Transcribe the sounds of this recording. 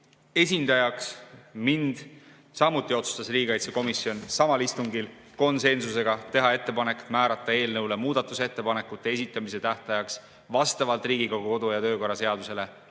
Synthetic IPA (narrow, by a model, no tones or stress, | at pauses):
e̞sʲind̪̥ɑjɑksmind̪̥ | sɑmut̪ːˑio̞t̪su̥st̪ɑsriːɡ̥ɑjt̪seko̞misːjo̞nsɑmɑlist̪uŋɡil | ko̞nse̞nsuse̞ɡ̥ɑt̪e̞ɦɑe̞t̪ːe̞pɑnekmæːɾɑt̪ˑːɑe̞ːlnɤwle̞muːd̪̥ɑt̪ːˑuse̞t̪ːepɑne̞kːˑut̪ːˑee̞sit̪ːˑɑmise̞t̪æht̪ɑjɑks | vɑst̪ɑvɑlt̪ˑriːɡikoɡuko̞d̪̥ujɑt̪ø̞ːko̞rːɑse̞ɑd̪use̞le̞